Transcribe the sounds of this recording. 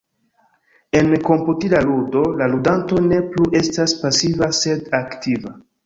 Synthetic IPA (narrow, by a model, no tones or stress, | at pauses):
e̞nko̞mputilaludo̞laludanto̞ne̞pluʔe̞staspasivase̞daktiva